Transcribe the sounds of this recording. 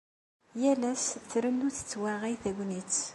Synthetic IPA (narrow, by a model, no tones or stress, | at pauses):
jælæsθɾənːuθə̥t͡sːwæʁijθæɡʷnit͡s